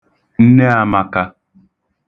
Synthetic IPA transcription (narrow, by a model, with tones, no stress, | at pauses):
n̩˦ne˦a˨ma˨ka˦